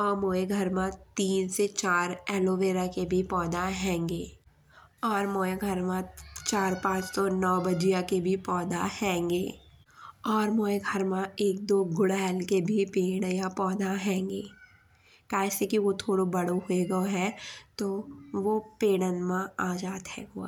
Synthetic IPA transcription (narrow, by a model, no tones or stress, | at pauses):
ɔːɾmoːeɡʱəɾmãt̪iːnset͡ʃaːɾɛːloːʋeːɾakebʱipɔːd̪aɦɛ̃ːŋɡeː | ɔːɾmoːeɡʱɐɾmãt͡ʃaːɾpãːt͡ʃsɔnɔːbɐd͡ʒijakebʱipɔːd̪ahɛ̃ːŋɡeː | ɔːɾmoːeɡʱəɾmãeːk̚d̪oːɡʊɽaɛlkebʱipeːɽ̃japɔːd̪aɦɛ̃ːŋɡeː | kaːɛsekiʋot̪ʰoːɽobɐɽoɦoeɡoɦɛt̪oʋopeːɽ̃ənmãaːd͡ʒaːd̪ɦɛ̰ʋo̰ː